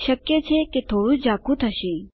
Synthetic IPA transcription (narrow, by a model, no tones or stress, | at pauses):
ʃəkjet͡ʃʰeket̪ʰoɽũd͡ʒakʰũt̪ʰəʃe